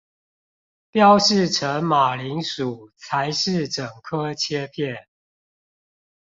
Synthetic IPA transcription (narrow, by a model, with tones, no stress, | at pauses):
pjɑ˥˦ʊʂɻ̩˥˨ʈ͡ʂʰə˨˦ŋma˨˩li˨˦ŋʂu˨˩t͡sʰa˨˦ɪʂɻ̩˥˨ʈ͡ʂə˨˩ŋkʰɤ˦t͡ɕʰjɛ˦pʰjɛ˥˨n